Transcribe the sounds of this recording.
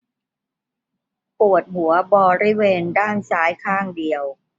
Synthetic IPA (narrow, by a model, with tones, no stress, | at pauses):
pu˨˩ə˩t̪̚ɦu˩˦ɐbɔː˧ɾi˦˥˩weː˧ndaː˥˩nsaː˦˥jkʰaː˥˩ŋdi˨˧əw